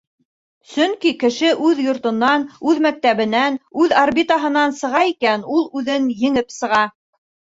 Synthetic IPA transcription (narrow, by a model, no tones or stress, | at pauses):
sɵŋkikɘ̆ʃɘʔʉðjŏɾt̪ŏnːɑnʉðmæk̚t̪æβɘ̆nænʉðarbʲit̪ɑɦɤ̆nɑnsɤ̆ʁɑikænulˠʉðɘnjɘ̆ŋɘpsɤ̆ʁɑ